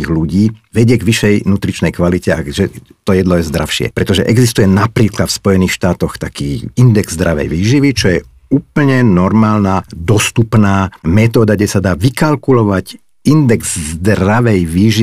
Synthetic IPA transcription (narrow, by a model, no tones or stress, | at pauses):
iːɣluɟiːʋɛɟɪɛɡʋiʃɛjnut̪ɾit͡ʃnɛjkʋalicɛaʒɛt̪ɔjɛd̪lɔjɛzd̪ɾafʃɪɛ̰pɾɛt̪ɔʒɛʔɛɡzist̪ujɛnapɾiːklat̪fspɔjɛniːxʃt̪aːt̪ɔxt̪akiːind̪ɛɡzd̪ɾaʋɛ̰jʋiːʒiʋit͡ʃɔjɛ | uːpl̩ɲɛnɔɾmaːlnad̪ɔst̪upnaːmɛt̪ɔːd̪aɡɟɛsad̪aːʋikalkulɔʋac | ind̪ɛɡzzd̪ɾaʋɛjʋiːʒi